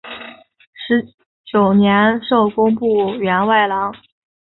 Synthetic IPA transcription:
ʂɻ̩˧˥ | t͡ɕjo˨˩ʊnjɛ˧˥nʂo˥˩ʊkʊ˥ŋpu˥˩ɥɛ˧˥nwa˥˩ɪlɑ˧˥ŋ

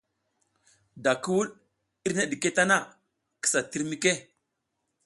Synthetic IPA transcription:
da˨kə˦wu˦l | i˦ɾne˦ɗi˨ke˦ta˦na˦˨ | kə̥˦sa˨ti˦ɾmi˦ke˦

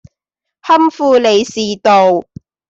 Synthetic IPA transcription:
hɐ˥mfuː˧le˨˧jsiː˨t̪o˨w

